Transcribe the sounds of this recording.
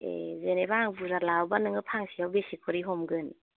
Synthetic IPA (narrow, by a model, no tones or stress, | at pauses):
ḛzenebaaŋbuzaɾlawbanɯŋɯpʰaŋsijawbesikʰɔɾiɦɔmɡɯn